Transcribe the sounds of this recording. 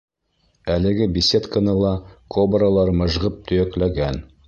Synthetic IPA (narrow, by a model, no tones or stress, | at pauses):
ælɘ̆ɡɘbʲisʲet̪kənɤlˠɑkʰobɾalˠɑɾmɤ̆ʒʁɤp̚t̪ʰɵ̆jæklæɡæn